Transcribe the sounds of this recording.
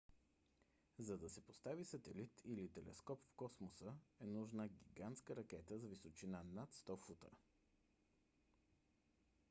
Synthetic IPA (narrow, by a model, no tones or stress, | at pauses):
zɐd̪ɐsɛpost̪avisɐt̪ɛlit̪ʰilit̪ɛlɛ̰skɔpfkɔsmosəɛnuʒnəɡʲiɡant̪skəɾɐkʲɛt̪əzɐvisot͡ʃinanat̪st̪ɔfut̪ə̰